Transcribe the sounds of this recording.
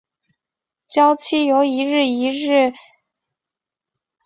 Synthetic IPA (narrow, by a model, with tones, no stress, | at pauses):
t͡ɕjɑ˥ʊt͡ɕʰi˥˩jo˧˥ʊi˧˥ɻɻ̩˥˩i˧˥ɻ̩˥˩